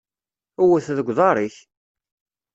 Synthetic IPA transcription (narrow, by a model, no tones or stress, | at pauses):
uwəθðəɡʷːðˤɑɾˤiç